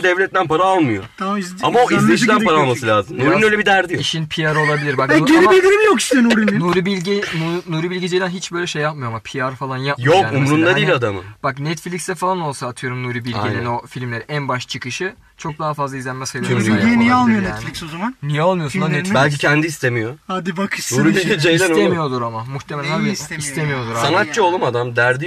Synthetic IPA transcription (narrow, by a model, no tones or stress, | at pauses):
d̪ɛvlʲɛt̪lʲænpaɾaalˠmɯjot̪ʰaizamaoizlʲeʃilʲænpaɾalˠmassɯlʲaːzɯmnuɾinnøjlʲebid̪æɾd̪ijiʃinpʰijaɾolˠabilʲiɾbak̪eid̪ʲiɾimjoki̥st̪ʰnuɾinnoɾibilʲɟinunuɾibilʲɟid͡ʒed̪ænɦit͡ʃb̥ø̞ːjlʲɛʃejːap̚mɯjo̞amapʰijaɾfalˠanjapjokːumɾund̪ad̪ijilʲad̪amɯ̰b̥aknɛt̪flʲicsd̪ɛfalˠano̞lˠsaːt̪ʰɯjo̞ɾumnuɾibilʲɟinno̞filʲmlʲeiʔænbaʃt͡ʃʰɯkɯʃɯ | t͡ʃʰo̞k̚d̪aɦafazlˠaizlʲænmɛsajlˠinijɛalˠmɯjonɛaflʲiksozamannijɛalˠmɯjosunad̪ibælʲcicʰɛnd̪iːst̪ʰemijohad̪ibaknuɾibiid͡ʒej̪æsnoemijo̞d̪uɾamamuxt̪ʰemelænaiist̪ʰemijo̞d̪uɾasanat̪̚t͡ʃɯolˠumad̪amd̪æɾd̪i